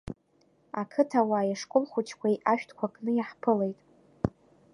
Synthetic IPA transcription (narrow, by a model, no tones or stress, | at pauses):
akʰɨtʰawajaʂkʼʊlχʷʊt͡ʃʰkʷajaʃᶣtʰkʷʰakʼnɨjaħpʰɨle̞jtʼ